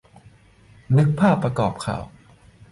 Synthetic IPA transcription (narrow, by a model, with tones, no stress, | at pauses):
nɯ˦˥k̚pʰaː˥˩pːɾa˧kɔː˨˩p̚kʰa̰ː˨˩˦w